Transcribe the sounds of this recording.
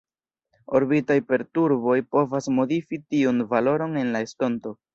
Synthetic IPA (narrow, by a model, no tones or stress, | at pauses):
o̞̰ɾbitajpe̞ɾtuɾbo̞jpo̞vasmo̞difitiunvalo̞ɾo̞ne̞nlae̞sto̞nto̞